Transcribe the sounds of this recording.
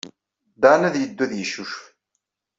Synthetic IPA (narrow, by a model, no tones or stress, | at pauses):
d̪anæðjəd̪ːuðjəʃuʃf